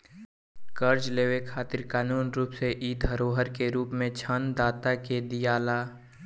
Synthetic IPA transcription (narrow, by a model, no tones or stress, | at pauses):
kəɾd͡ʒleːʋekʰaːt̪ɪɾkaːnuːnɾuːpseʔiːd̪ɦəɾoːɦəɾkeɾuːpmẽt͡ʃʰand̪aːt̪aked̪ijaːlaː